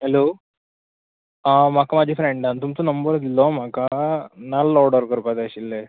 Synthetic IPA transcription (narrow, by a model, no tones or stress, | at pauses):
ɦeloː | amaːkɐmaːd͡ʒifɾeɳɖɐnt̪umt̪unɐmbɐɾɐd̪ilːomaːkɐnaːlːɔːɖɐɾkɐɾpad̪eːsilːe